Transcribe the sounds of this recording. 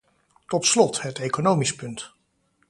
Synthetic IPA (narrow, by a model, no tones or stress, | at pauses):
tɔtslɔtɦətejkonowmispɵnt